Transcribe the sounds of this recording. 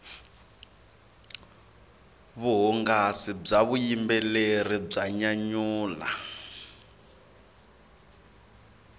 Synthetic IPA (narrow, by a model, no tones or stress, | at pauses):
βuɦɔŋɡasib͡ʐaβujimbɛlerib͡ʐaɲaɲuːla̰